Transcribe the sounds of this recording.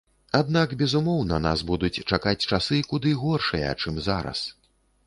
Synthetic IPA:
ad̪nakbʲɛzumɔwnɐna̰sbud̪ut͡sʲt͡ʂakat͡sʲt͡ʂasɨkud̪ɨɣɔrʂɨjɐ̰t͡ʂɨmzaɾɐ̰s

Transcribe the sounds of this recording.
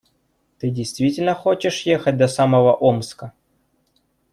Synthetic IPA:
t̪ɨdʲejst̪vʲitʲɪlʲnəxot͡ɕɪʂjexət̚ʲd̪ɐsaməvəʔomskə

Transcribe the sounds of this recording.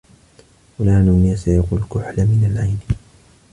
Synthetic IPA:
walaːnʊːnasajaqulkʊħlamɪnalʕajn

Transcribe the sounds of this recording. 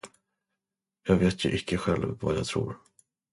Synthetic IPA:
jɑːɡveːt̪jɵʔɪkʰːəɧɛlvːajɑ̰ːt̪ʰɾṵːɾ

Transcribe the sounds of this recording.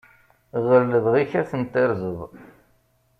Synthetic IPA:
ʁəlːəðʁiçæθənt̪ɪɾzəð

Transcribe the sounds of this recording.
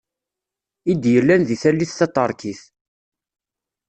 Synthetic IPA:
id̪jəlːænðiθælːiθθæt̪ˤːəɾˤkiθ

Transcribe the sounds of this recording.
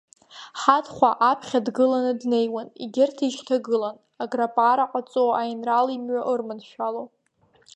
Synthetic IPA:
ħadχʷaʔapʰχʲadɡɨlanɨdne̞jwanḭɡʲɪrtʰiʃtʰaɡɨlan | aɡrapʼaɾaqʼat͡sʼoajnralimɥaʔɨrmɨnʃᶣalo

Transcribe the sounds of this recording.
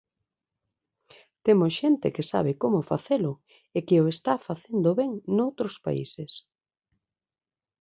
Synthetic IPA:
t̪emʊsʃent̪ɪ̰kɪsa̰β̞ɪkomʊfaθelʊ | ekeoest̪afaθend̪oβɛŋnowt̪ɾospa̰ḭses

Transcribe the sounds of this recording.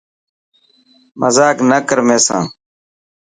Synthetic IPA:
mʔəzaːknəkəɾmẽːsã̰ː

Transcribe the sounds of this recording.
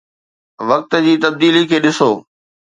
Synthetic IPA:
ʋɐk̚t̪d͡ʑiːt̪ɐb̚d̪iːlikʰeːɗɪsoː

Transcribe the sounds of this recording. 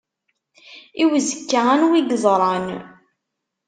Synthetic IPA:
iwəzəkːaanwiɡzˤɾˤɑn

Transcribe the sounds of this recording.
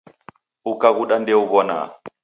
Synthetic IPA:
ukaɣuɗandɛuβɔna̰

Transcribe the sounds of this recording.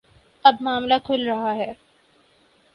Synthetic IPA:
ɐbmaːmlakʰʊlɾɐɦaɦɛː

